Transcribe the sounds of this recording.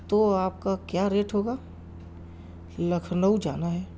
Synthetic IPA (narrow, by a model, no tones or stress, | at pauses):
t̪oaːp̚kakjaːɾeːʈɦoːɡaː | lɐkʰnəud͡ʒa̰ːnaɦɛː